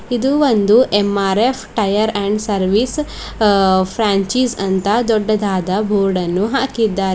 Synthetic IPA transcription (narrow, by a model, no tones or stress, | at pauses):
id̪uʋond̪uʔemaːɾepʰʈɐjɐɾɐɳɖsɐɾʋis | pʰɾaːɲt͡ʃiːsɐnt̪ɐd̪ɔɖːɐd̪ʱaːd̪ɐbʱoːɾɖɐnːuɦaːkid̪ːaː